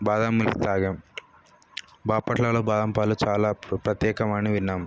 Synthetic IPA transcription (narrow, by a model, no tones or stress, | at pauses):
baːd̪aːmːult̪aːɡɐm | baːpɐʈʰlaloːbaːd̪ɐmpaːlut͡ʃaːlaːpɾɐt̪jɛːkɐmaːniʋinːaːm